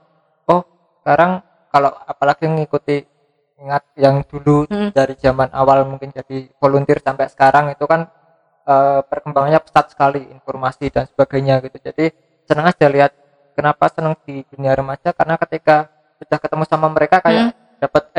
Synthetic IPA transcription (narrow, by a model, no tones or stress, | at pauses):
ɔh | səkaɾaŋ | kaloapalaɡ̥iŋikut̪i | iŋat̪̚jaŋd̥ulud̥aɾid͡ʒamanʔa̰walmuŋkɪnd͡ʒad̥ivolunt̪ɪrsampɛsə̥kaɾʔaŋit̪ukan | əpərkəmbaŋanɲapə̥sat̪̚sə̥kaliḭnfɔrmasid̥ansə̥b̥aɡ̥ajɲaɡit̪ud͡ʒad̥i | sənəŋad̥aliɦat̪̚ | kənapasənəŋd̥id̥uniaɾəmad͡ʒ̥akaɾənakət̪ika | sud̥ahkət̪əmusamaməɾekakaja | d̥apət̪̚